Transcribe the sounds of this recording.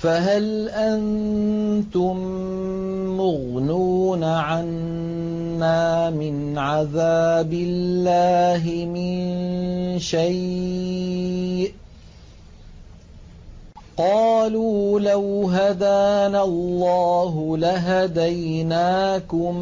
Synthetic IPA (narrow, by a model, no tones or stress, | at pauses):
faɦal | ʔan | t̪ʊmː | ʊɣ | nuːnaʕanː | aːmɪn | ʕaðaːbɪllːaːɦɪmɪn | ʃaj | qɑːluːlawɦad̪aːnalˤːɑːɦʊlaɦad̪ajnaːkʊm